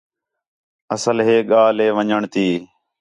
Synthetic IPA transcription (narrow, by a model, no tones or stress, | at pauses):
əsəlɦeːɠaːleːʋəɲəɳt̪iː